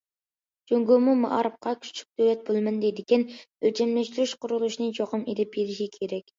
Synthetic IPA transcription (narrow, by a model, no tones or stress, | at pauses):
d͡ʒoŋɡomumɑʔɑɾɨp̚qʰɑkʲʰy̥t͡ʃʰy̥k̚ʲd̪̥ølɛt̪̚bolˠmɨnd̪ed̪ɪkʲɛnølt͡ʃʰɛmlɛʃt̪yɾyʃqʊɾulˠuʃnɨt͡ʃʰoqəmed̪ɪpjeɾɪʃikʲʰeɾɛkʲ